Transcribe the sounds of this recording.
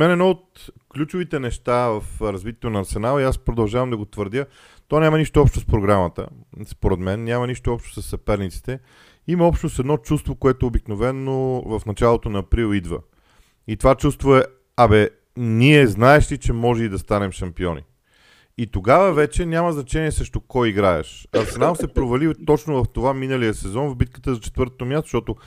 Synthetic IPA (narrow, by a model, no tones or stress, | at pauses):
mɛnɛd̪nɔot̪̚klʲut͡ʃʊvit̪ɛnɛʃt̪avɐfɾɐzvit̪ʲɛ̥t̪onɐːɾsɛnalˠiaspɾod̪ɐlˠʒavəmd̪ɐɡot̪vəɾd̪ʲjə | t̪ɔnʲamɐniʃt̪oɔpʃt̪ospɾoɡɾamət̪ə̰spoɾɛd̪mɛnːʲjamɐniʃt̪oɔpʃt̪o̥sɐsːɐpɛɾnit̪si̥t̪ɛ | imɐɔpʃt̪nosɛd̪nɔt͡ʃust̪vokoɛt̪oobiknovɛnːovɐfnɐt͡ʃalˠot̪onɐːpɾilˠid̪və̰ | it̪ovat͡ʃust̪voɛ | ɐbɛ | niɛznaɛʃt̪it͡ʃɛmɔʒɛid̪ɐst̪anɛmʃɐmpiɔnḭ | it̪oɡavəvɛt͡ʃɛnʲjaməznɐt͡ʃɛniɛsɾɛʃt̪okɔjiɡɾaɛ̰ʃɐsnamsɛpɾovɐlit̪ɔt͡ʃnovɐft̪ovaminəlijəsɛzɔnvbit̪̚kə̥t̪əzɐt͡ʃɛ̥t̪vɤɾt̪ot̪omjast̪o̥ʃt̪ɔt̪o